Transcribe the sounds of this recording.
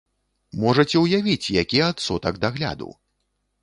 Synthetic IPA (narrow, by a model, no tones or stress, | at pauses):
mɔʐɐt͡sʲɛwjavʲit͡sʲjakʲiɛat̪sɔt̪ɐɡd̪aɣlʲa̰d̪ṵ